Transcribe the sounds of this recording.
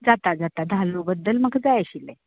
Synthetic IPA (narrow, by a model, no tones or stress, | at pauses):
d͡zat̪ad͡zat̪ad̪ʱalnobəd̪ːəlməɡd͡zajaɕilɛ̰